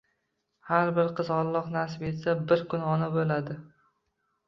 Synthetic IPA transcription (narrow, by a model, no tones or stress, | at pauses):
haɾbɪɾqʰɨzɒlˠːɒqnas̬ɪpe̞t̪sabɪɾkʰʊnɒnabolad̪ɪ